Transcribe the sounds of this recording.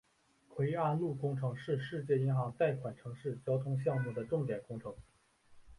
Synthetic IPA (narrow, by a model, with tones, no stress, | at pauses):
kʰwe˧˥ɪa˥˧nlu˥˩kʊ˥ŋʈ͡ʂʰɤ˧˥ŋʂɻ̩˥˧ʂɻ̩˥˧t͡ɕjɛ˥˩i˧˥nxɑ˧˥ŋt̪a˥˩ɪkʰwa˨˩nʈ͡ʂʰɤ˧˥ŋʂɻ̩˥˩t͡ɕjɑ˥ʊt̪ʰʊ˥ŋɕ̬jɑ˥˧ŋmu˥˩d̪ə˩ʈ͡ʂʊ˥˩ŋt̪jɛ˨˩nkʊ˥ŋʈ͡ʂʰɤ˧˥ŋ